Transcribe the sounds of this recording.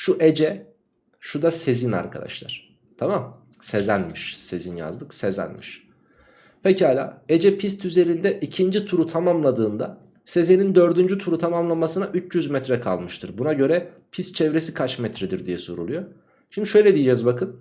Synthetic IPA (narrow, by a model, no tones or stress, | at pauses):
ʃuʔed͡ʒɛ | ʃud̪ase̞zina̰ɾkʰa̰d̪a̰ʃlˠa̰ɾ̥ | t̪ʰamam | sezænmiʃse̞zinja̰zd̪ɯksezæ̰nmiʃ | pʰecihaːlʲa̰ːed͡ʒɛpʰist̪ʰyze̞ɾind̪ɛʔicʰind͡ʒit̪ʰuɾut̪ʰamamlˠad̪ɯːnd̪a̰ | se̞zenind̪ø̞ɾd̪ynd͡ʒyt̪ʰuɾut̪ʰamamlˠamasɯnaʔyt͡ʃjyzmɛt̪ɾɛkʰa̰lˠmɯʃt̪ʰɯɾbunaɟø̞ɾɛ | pʰist̪t͡ʃʰɛvɾe̞sikʰat͡ʃmɛt̪ʰɾɛd̪iɾd̪ijɛso̞ɾulˠujo | ʃimd̪iʃø̞jlʲɛd̪ijid͡ʒɛzbakɯn